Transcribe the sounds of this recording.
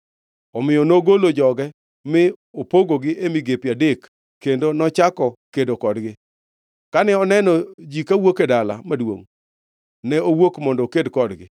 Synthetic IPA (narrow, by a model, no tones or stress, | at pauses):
ɔmɪjɔnoɡolod͡ʒɔɡɛ | mɪopoɡoɡɪʔemiɡepjadekː | endonɔt͡ʃakɔkedokɔdɡɪ | kanɛɔnɛnɔd͡ʒikawokedala̰madwo̰ŋ | nɛowokmɔndɔkedkɔdɡɪ̰